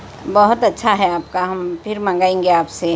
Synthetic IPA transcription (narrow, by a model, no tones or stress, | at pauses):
bəɦʊt̪ɐtːʃʰaɦɛaːpkaɦɐmpʰɪɾmãŋ̆ɡaːẽŋɡeaːpse